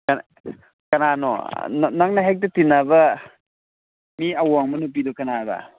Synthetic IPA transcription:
k | kananɔ̰nnaŋnaɦek̚tɐtinːabɐ | miawaŋmɐnup̬idɔkɐnabɐ̰

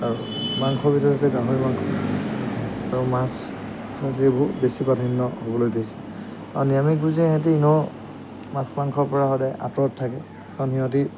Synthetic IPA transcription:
aɹu | maŋkʰɔbitɔatɛɡaɦɔɹimaŋkʰɔ | aɹumas | sas̬ebɔɦutbesibadʰʱinːɔhobɔlojtajsɛ̥ | auniamiɡuzɛɦãt̬iinɔ | masmaŋkʰɔɹpɔɹaɦɔdɛʔa̰tɹɔttʰːakɛ | kaniɔ̃t̬i

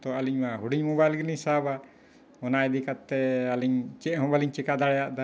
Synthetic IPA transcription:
t̪ɔaliɲmaɦuɽiɲmɔbajlɡiliɲsaba | ɔnaɛd̪ikat̪ːɛaliɲt͡ʃɛʔɦɔ̃baliɲt͡ʃɛkad̪aɽɛjaʔd̪a

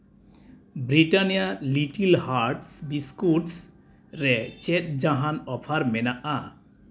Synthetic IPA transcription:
bɾiʈanijaliʈilhaɾʈsbiskuʈs | ɾɛt͡ʃet̪̚d͡ʒaɦanɔpʰaɾmɛnaʔa

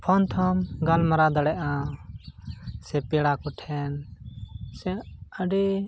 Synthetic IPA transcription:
pʰɔnt̪ʰɔmɡalmaɾad̪əɽɛʔa | sɛpɛɽakɔʈʰɛn | sɛəɖɛ

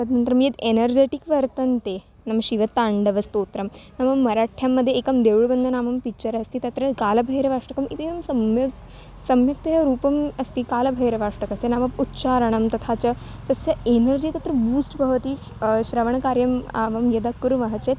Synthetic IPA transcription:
t̪at̪nɐnt̪ɾɐmjet̪enəɾd͡ʑeʈikʋɐɾt̪ənt̪e | naməɕiʋət̪aɳɖəʋɐst̪ot̪ɾɐmnamɐmːɐɾaʈʰjamːəd̪ʱjeːkɐmd̪eʋɭbənd̪ʱənaːmɐmpit͡ɕəɾɐst̪iːt̪ɐt̪ɾɐkalɐbʱəɦjɾəʋaʂʈɐkɐmit̪eʋɐmsɐmj | sɐmjɐk̚t̪ɐɦaɾuːpɐmɐst̪iːkalɐbʱɐɦiɾəʋaʂʈəkɐsenamɐmut̪ːɕaɾəɳ̃ɐmt̪ɐt̪ʰat͡ɕɐ | t̪ɐsəenəɾd͡ʑiːt̪at̪ɾɐbuːsʈbʱɐʋt̪iː | ɕɾəʋəɳ̃ɐkaɾjɐma̰ʋɐmjed̪akuɾʋɐɦt͡ɕet̪̚

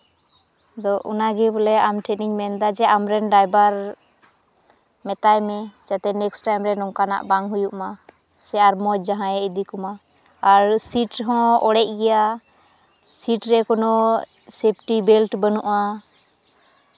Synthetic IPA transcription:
d̪ɔʔṵnaɡɛbɔlɛamʈʰɛniɲmɛnd̪ad͡ʒɛʔamɾɛnɖajbaɾ | mɛt̪ajmɛd͡ʒat̪ɛnɛksʈajmɾɛnɔŋkana̰ʔbaŋɦujuʔma | sɛaɾmɔt͡ʃ̚d͡ʒaɦãjɛid̪ikɔma | aɾsiʈɦɔ̃ɔɽɛc̚ɡɛja | siʈɾɛkɔnɔ | sep̚ʰʈibɛlʈbənuʔa

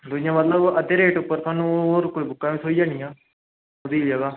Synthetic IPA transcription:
d̪ʊd͡ʒɪjãːmət̪ləbəd̪eɾeːʈʊpːəɾt̪ʰaːnũɦoːɾkoːibʊkːaːʋĩːsʰoːiːd͡ʒaːnĩjãː | d̪iːd͡ʒaːɡaː

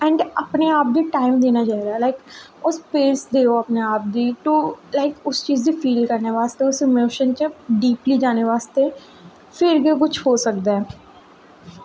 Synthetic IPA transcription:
ɛ̃ɳɖɐpneaːp̚d̪iʈaːɪmd̪eːnat͡ʃaːɦiɾaɦɛlaɪk | ʊspeːsd̪eːoɐpneaːp̚d̪iʈolaɪkʊst͡ʃiːzd̪ifiːlkɐɾneʋaːst̪eʊsɪmoːʃənt͡ʃəɖiːplid͡ʒaːneʋaːst̪e | fɪɾɡek̬ʊt͡ʃʰɦoːsɐkd̪eɛː

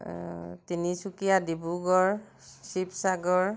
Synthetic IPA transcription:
tinisukijadibuɡɔɹ | sipsaɡɔɹ

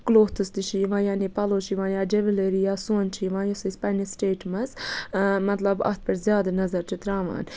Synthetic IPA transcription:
kloːht̪ʰɨst̪iʃiʋãːjaːnipɐloːt͡ʃʰiʋãːjaːd͡ʒeʋileɾijaːsõːnt͡ʃʰiʋãːjusɐspɐnisʈeːʈmɐs | mɐt̪lɐbɐ̰t̪̚pɐɾzʲjaːd̪ɐnɐzɐɾt͡ʃʰit̪ɾaːʋa̰ːn

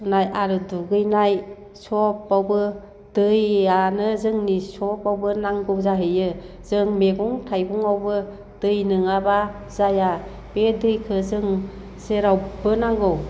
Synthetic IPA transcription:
najʔaɾɯduɡɯjnaj | sɔp̚ːawbɯ | d̥ɯjanɯzɯŋnisɔpawbɯnaŋɡɯwzaɦɯjɯ | z̥ɯŋmeɡuŋtʰajɡuŋawbɯ | d̥ɯjnɯŋaba | zaja | b̥edɯjkʰɯzɯŋ | seɾawbɯnaŋɡɯw

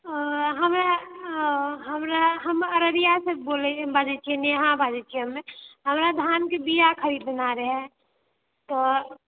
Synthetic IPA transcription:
ɦəmɾa | ɦəmɾaɦəməɾəɾijaseboːlebad͡ʒɛt͡ʃʰieneɦãbad͡ʒɛt͡ʃʰiɦəmːẽɦəmɾad̪ʱjaːnkebijakʰəɾiːd̪naɾəɦɛ | t̪ɔ

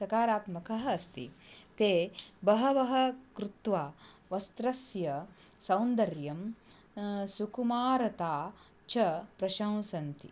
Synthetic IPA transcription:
sɐkaːɾaːt̪mɐkɐɦɐɐst̪ḭt̪eːbɐɦɐʋɐɦɐ̆kɾut̪ʋaːʋɐst̪ɾɐsjɐ | sɐ̃wnd̪ɐɾjɐm | sukumaːɾɐt̪aː | t͡ʃɐpɾɐʃɐ̃w̃sɐnt̪ḭ

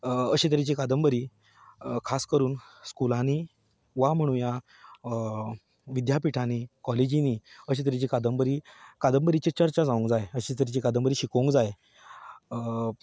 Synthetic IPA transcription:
əɕit̪̬əɾit͡ɕikad̪əmbəɾiː | kʰaskəɾuːnskulãni | ʋam̤əɽ̃uːja | ʋid̪japiʈʰanikɔled͡ʑiniːəɕ̬it̪̬əɾit͡ɕiːkad̪əmbəɾiːkad̪əmbəɾit͡ɕet͡ɕəɾt͡ɕad͡zaʋũŋkd͡zajeəɕit̪əɾit͡ɕikad̪əmbəɾiːɕikəuŋkd͡zaj

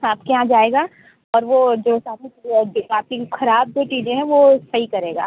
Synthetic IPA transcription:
aːpkeɦãd͡ʒaːeːɡaː | ɔːɾʋoːd͡ʒoːsaːɾiaːp̚kixɐɾaːb̚d͡ʒoːt͡ʃiːd͡ʒẽɦɛ̃ʋosɐɦikɐɾeːɡa̰ː

